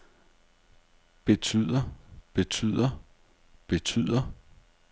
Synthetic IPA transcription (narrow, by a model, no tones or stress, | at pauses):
b̥e̝t͡sʰyð̰ˠɐb̥e̝t͡sʰy̰ð̰ˠɐ | b̥e̝t͡sʰy̰ð̰ˠɐ